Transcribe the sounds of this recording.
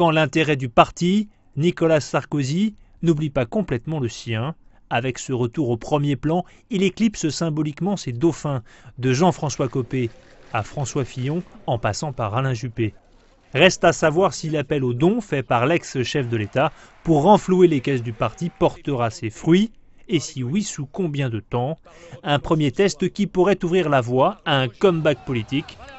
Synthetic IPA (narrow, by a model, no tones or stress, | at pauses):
kɑ̃lɛ̃t̪eʁɛd̪ypaʁt̪i | nikɔlasaʁkozinublipakɔ̃plɛt̪mɑ̃ləsjɛ̃ | avɛksəʁət̪uʁopχəmjeplɑ̃ileklipsəsɛ̃bɔlikmɑ̃sed̪ɔfɛ̃d̪əʒɑ̃fχɑ̃swakɔpeafχɑ̃swafijɔ̃ɑ̃pasɑ̃paʁːalɛ̃ʒype | ʁɛst̪asavwaʁsilapɛlod̪ɔ̃fɛpaʁlɛksʃɛfd̪əlet̪a | puʁːɑ̃fluelekɛsd̪ypaʁt̪ipɔʁt̪əʁasefχɥi | esiwisukɔ̃bjɛ̃d̪ət̪ɑ̃ | ɛ̃pχəmjet̪ɛst̪kʲipuʁɛt̪uvʁiʁlavwaːɛ̃kɔmbak̚pɔlit̪ik